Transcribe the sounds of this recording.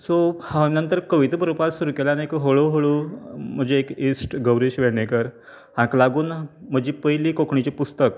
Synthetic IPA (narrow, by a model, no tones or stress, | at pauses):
sohãnənt̪əɾkəʋit̪bəɾopalsuɾuːkelaniekɦoɭoɦoɭum̤əd͡ʑeːkisʈɡəwɾeɕʋeɽɳekəɾ | hãklaɡuːnm̤əd͡ʑiːpəɦjliːkokʰɳit͡ɕepust̪ək